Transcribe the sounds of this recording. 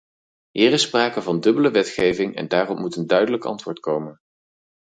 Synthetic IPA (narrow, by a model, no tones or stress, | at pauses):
ɦiːrɪspraːkəvɑndɵbələʋɛtχejvɪŋɛ̰ndaːrɔpmutəndœɥdələkɑ̰ntʋʊːɹtkowmən